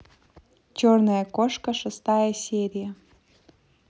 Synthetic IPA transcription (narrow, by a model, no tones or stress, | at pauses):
t͡ɕornɐjəkoʂkəʂɨst̪ajəsʲeɾʲijə